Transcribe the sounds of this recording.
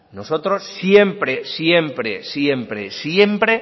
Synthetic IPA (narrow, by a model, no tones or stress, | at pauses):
noso̞t̪ɾosːje̞mpɾesje̞mpɾesjempɾesje̞mpɾe